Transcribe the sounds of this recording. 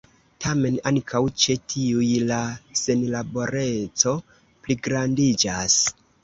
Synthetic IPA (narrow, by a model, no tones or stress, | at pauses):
tʰame̞naŋkʰawt͡ʃe̞tʰiujlase̞nlabo̞ɾe̞t͡so̞ | pliɡɾandid͡ʒas